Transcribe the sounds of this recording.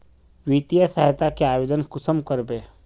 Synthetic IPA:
ʋiːt̪ijəsəɦət̪akeaːʋeːd̪ənkʊsəmkəɾbeː

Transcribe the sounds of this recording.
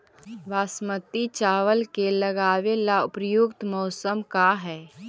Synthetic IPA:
ʋaːsmət̪it͡ʃaːʋəlkelɐɡaːʋelaʊpɾəjʊɡt̪mɔːsəmkaɦɛː

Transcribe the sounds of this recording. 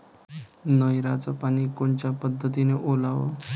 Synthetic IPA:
nəjɾad͡zəpañiːkoɳt͡ɕjapəd̪ʱːət̪ineʔolaʋə̰

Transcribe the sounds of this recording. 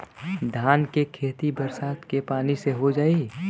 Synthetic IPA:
d̪ʱaːnkekʰeːt̪ibəɾsaːt̪kepaːniseɦod͡ʒaːi

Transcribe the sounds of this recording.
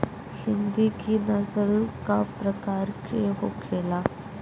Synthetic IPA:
hind̪ikiːnəsəlkapɾəkaɾkiɦo̰kʰela

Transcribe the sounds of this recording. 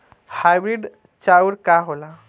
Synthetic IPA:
hajbɾiɖ | t͡ʃauɾkaɦola

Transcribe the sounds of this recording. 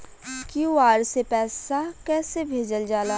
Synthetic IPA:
kjuaːɾsepɛːsakɛːsebʱeːd͡ʒəld͡ʒaːlaː

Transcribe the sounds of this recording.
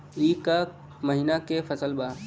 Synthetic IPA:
iːka | məɦiːnakefʰəsəlbaː

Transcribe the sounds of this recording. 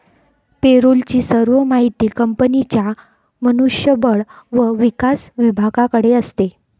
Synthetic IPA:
peɾult͡ɕiːsəɾʋəmaɦit̪iːkəmpənit͡ɕja | mənuʂjəbəɭʋəʋikasʋibʱaɡakəɽeəst̪e

